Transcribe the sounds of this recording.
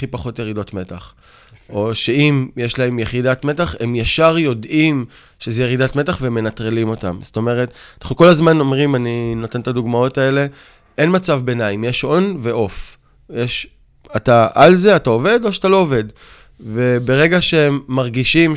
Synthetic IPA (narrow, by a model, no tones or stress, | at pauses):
ipaχo̞tjeʁido̞tme̞taχ | o̞ʃe̞imjeʃlae̞mjeχidatme̞taχe̞mjaʃaʁjo̞dim | ʃe̞zejeʁidatme̞taχveme̞natʁelimo̞ta̰mzoto̞me̞ʁetnaχnuko̞lazmano̞mʁimaninotent̪aduɡmao̞tae̞le̞ | ʔe̞nmat͡savbe̞naimjeʃo̞nve̞ʔo̞f | jeʃ | ataʔalze̞atao̞ve̞do̞ʃatalo̞ove̞d | ve̞be̞ʁe̞ɡaʃeemːaʁɡiʃim